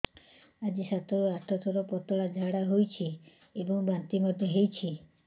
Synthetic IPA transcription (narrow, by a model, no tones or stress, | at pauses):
ad͡ʒisat̪ɔɾuaʈʰɔt̪ʰɔɾɔpɔt̪ɔɭad͡ʒʱaɽaɦojt͡ʃʰi | ebɔŋbant̪imɔd̪ʱjɔɦejt͡ʃʰi